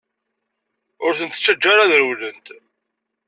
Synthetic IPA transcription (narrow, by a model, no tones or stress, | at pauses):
ʊɾθənt̪t͡ʃːəd͡ʒːaɾaðəɾwlənt̪